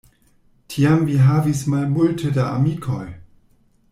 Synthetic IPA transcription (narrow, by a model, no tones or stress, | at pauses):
tʰiamviɦavismalmultʰədaʔamikʰoj